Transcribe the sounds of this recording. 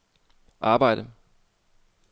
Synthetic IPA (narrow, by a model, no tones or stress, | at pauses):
ʔaːbaɪɾə